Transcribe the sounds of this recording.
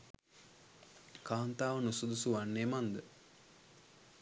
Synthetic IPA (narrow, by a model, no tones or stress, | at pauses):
kaːnt̪aːʋənusud̪usuʋanːeːmand̪ə